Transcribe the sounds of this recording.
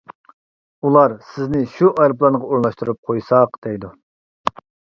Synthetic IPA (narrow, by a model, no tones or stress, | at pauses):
ulˠɑɾsɪznɪʃuʔɑjɾplˠɑnəʁɑoɾnlˠɑʃt̪uɾɨp̚qʰojsɑqd̪̥ɛjd̪u